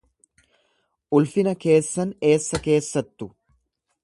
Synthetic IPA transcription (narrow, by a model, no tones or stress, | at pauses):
ʔʊlfɪnɐke̞ːsːɐne̞ːsːɐke̞ːsːɐt̪ːʊ